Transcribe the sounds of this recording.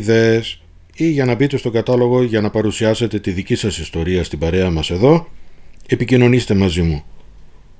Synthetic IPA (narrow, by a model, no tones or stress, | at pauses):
ðe̞es | iʝɐnɐbit̪e̞st̪o̞ɡɐt̪ɐlo̞ɣo̞ʝɐnɐpɐɾusiɐse̞t̪e̞t̪iðicisɐsist̪o̞ɾiɐst̪ibɐɾe̞ɐmɐse̞ðo̞ | e̞picino̞nist̪e̞mɐzimu